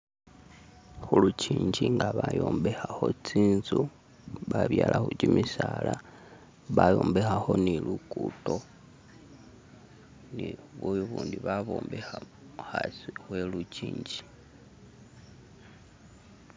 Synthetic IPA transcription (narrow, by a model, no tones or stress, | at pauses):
xuluciːɲɟiŋɡaβajo̞ːmbexaxo̞t͡siːnzu | βaβjaːlʔaxud͡ʒimisala | βajoːmbexaxo̞nilukuto̞ | niβujuβuːndiβaβo̰ːmbexa | xasixwe̞lut͡ʃiːɲɟi